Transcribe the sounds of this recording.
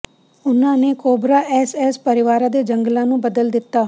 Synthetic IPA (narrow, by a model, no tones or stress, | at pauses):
ʊnãːneːkoːbɾaːʔɛːsɛːspəɾɪʋaːɾãːd̪eːd͡ʒəŋɡlãːnũːbəd̪əld̪ɪt̪ːaː